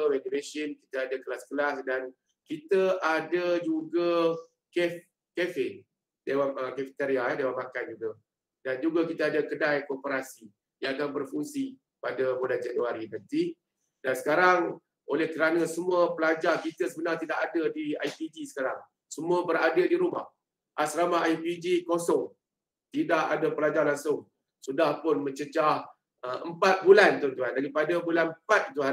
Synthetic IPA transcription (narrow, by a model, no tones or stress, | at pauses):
əmedivesənki̥t̪aadəkəlaskəlasdan | kit̪əʔadəd͡ʒuɡa | kɛf | kefe | dewaməkafi̥t̪eɾiaɛdewamakand͡ʒuɡa | dand͡ʒuɡakit̪aadəkədajkopəɾasi | jãŋakanbərfuŋsi | padabodad͡ʒanuaɾinənt̪i | dansə̥kaɾaŋ | ʔolɛhkəɾanasəmuəpəlad͡ʒarkit̪əsəbənart̪idaʔadədia̰jpid͡ʒisə̥kaɾaŋ | səmũəbəradədiɾuma̰h | ʔasɾamaɦajpid͡ʒikosɔŋ | t̪idaʔadapəlad͡ʒarlaŋsʊŋ | sudahpʊnmə̃ɲt͡ʃət͡ʃah | əəmpat̪̚bulant̪ɔnt̪uɦandaɾipadabulanpat̪̚it̪ua